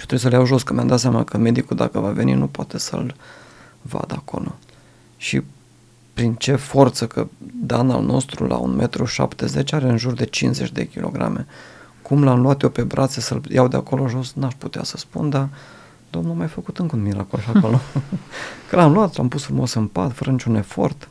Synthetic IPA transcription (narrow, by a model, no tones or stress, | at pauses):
iot̪ɾeis̬əljawʒo̞skɨnmjamd̪at̪seamnakəme̞d̪ikud̪akəvave̞nḭnupoat̪e̞sə̰l | va̰d̪əako̞̰lo̞ | ʃḭ | pɾint͡ʃe̞fo̞rt̪səkəd̪ana̰lnʔo̞̰st̪ɾṵlʔa̰ṵnmʔet̪ɾuʃa̰pt̪e̞ze̞t͡ʃaɾe̞ɨnʒurd̪e̞t͡ʃinsze̞t͡ʃʲd̪e̞̰kʲilo̞̰ɡɾa̰me̞ | kumlamluat̪jowpe̞bɾʔat̪sesəljawd̪eako̞lo̞ʒo̞snaʃput̪easəspund̪a | d̪omnuamajfəkut̪ɨŋkunmiɾakoloʃiakolo | kəlamluat̪lampusfɾumo̞sɨmpat̪fəɾʔənit͡ʃune̞fo̞rt̪